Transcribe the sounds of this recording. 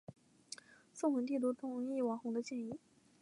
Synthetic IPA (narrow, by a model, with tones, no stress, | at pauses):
sʊ˥˩ŋxwə˧˥nt̪̬i˥˩t̪u˥˩t̪ʰʊ˧˩˥ŋi˥˩wɑ˧˥ŋxʊ˧˥ŋd̪ə˧t͡ɕjɛ˥˧ni˥˩